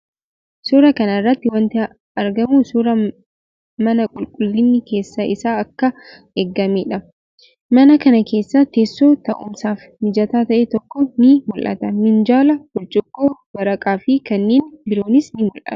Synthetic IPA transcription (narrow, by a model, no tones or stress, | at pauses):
suːɾɐkɐnɐɪrːɐt̪ːɪwɐnt̪ɪ | ɐɾɡɐmuːsuɾɐ | mɐnɐkʼʊlkʼʊlːɪnːɪke̞ːsːɐʔɪsaːɐkːɐ | eːɡːɐmeːᶑɐ | mɐnɐkɐnɐke̞ːsːɐt̪e̞ːsːoːt̪ɐʔʊ̰msaːf | mɪd͡ʒɐt̪aːt̪ɐʔet̪ɔkːɔnɪmʊlʔɐ̰t̪ɐmɪnd͡ʒaːlɐɡʊlt͡ʃʼʊɡːoːbɐɾɐkʼaːfɪkɐnːeːnbɪɾo̞ːnɪsnɪmʊlʔɐ̰t̪ɐ̥